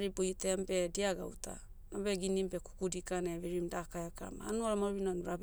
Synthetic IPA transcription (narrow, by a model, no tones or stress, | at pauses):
ɾibujtembe̞diaɡa̰wtʰa̰ | nobeɡinimbe̞ku̥kudikaneβeɾimdakajaka̰ma̰ːnuaɾamaɾinanuɾab